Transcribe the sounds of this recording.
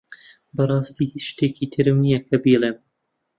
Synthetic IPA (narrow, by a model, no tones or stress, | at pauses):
bɐrˤɑːst̪iːhit͡ʃʃt̪ekiːt̪ʰɨɾɨmnijɐkʰɐbiːleːm